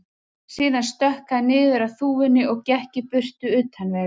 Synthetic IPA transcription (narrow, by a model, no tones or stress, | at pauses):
siːðanst̪œhkaðnɪːðʏɾaθuːvʏnːɪʔɔɣcɛhcɪpʏr̥t̪ʏʏːt̪hanvɛː